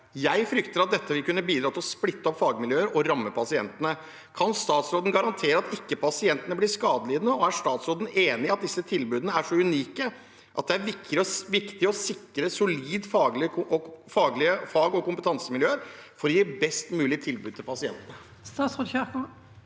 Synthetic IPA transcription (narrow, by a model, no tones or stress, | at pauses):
jæɪfɾʏkt̪əɾɑt̪̚d̪ɛt̪ːəʋɪlkʉnːəbiːd̪ɾɑːt̪ɪlɔsplɪt̪ːəɔpfɑːɡmɪljøːəɾɔɾɑmːəpʰɑsɪɛ̰nt̪ənə | kʰɑnst̪ɑːt̪sɾoːd̪n̩ɡɑɾɑnt̪ʰeːɾəɑt̪ɪkːəpʰɑsɪɛnt̪ənəblɪʂkɑːd̪əlɪːd̪ənəɔæʂt̪ɑːt̪sɾoːd̪n̩eːnɪɑt̪̚d̪ɪsːət̪ʰɪlbʉːd̪nəæʂɔʉniːkə | ʔɑ̰t̪̚d̪ɛæɾʋɪkɪʋɪkt̪ɪɔsɪkɾəsʊliːd̪fɑːɡlɪɔfɑːɡlɪəfɑːɡɔkʊmpət̪ʰɑnsəmɪljøːəɾfɔɾɪɪbɛst̪mʉːlɪt̪ʰɪlbʉːd̪̚t̪ʰɪlpʰɑsɪɛ̰nt̪ənə | st̪ɑːt̪sʁoːd̪çækʊ